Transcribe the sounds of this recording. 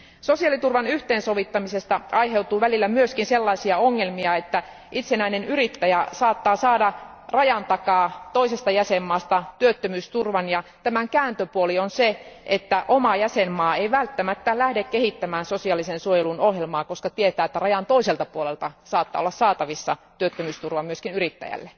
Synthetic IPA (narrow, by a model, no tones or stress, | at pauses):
sosiɑlit̪urʋɑnyht̪eːnsoʋit̪ːɑmisest̪ɑɑjɦe̞ut̪uːʋælilːæmyøskinselːɑisiɑoŋːelmiɑet̪ːæ | ʔit̪senæinenyɾit̪ːæjæsɑːt̪ːɑːsɑːdɑ | rɑjɑnt̪ɑkɑːt̪o̞isest̪ɑjæsemːɑːst̪ɑt̪yøt̪ːømyːst̪urʋɑnjɑt̪æmæŋkæːnt̪øpuolionseʔet̪ːæʔomɑjæsemːɑːeiʋælt̪ːæmæt̪ːælæhdekkehit̪ːæmæːnsosiɑlisensuojelunohjelmɑːkoskɑt̪iet̪æːet̪ːærɑjɑnt̪oiselt̪ɑpuolelt̪ɑsɑːt̪ːɑ̰olːɑssɑːt̪ɑʋisːɑ̰t̪yøt̪ːømyːst̪urʋɑmyøskinyrit̪ːæ̰jæ̰lːe